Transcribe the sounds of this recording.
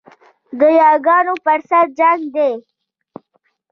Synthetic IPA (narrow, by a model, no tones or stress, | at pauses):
d̪əjɑːɡɑːnopəɾsaɾ̚d͡ʒaŋɡd̪e